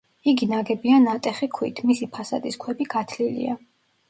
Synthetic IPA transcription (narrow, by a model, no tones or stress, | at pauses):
iɡinaɡɛbianat̪ʼɛχikʰwḭt̪ʰmisipʰasa̰d̪iskʰwɛbiɡ̥at̪ʰlilḭa